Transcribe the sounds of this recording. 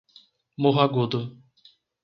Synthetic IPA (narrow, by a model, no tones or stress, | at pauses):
moɦaɡod̪o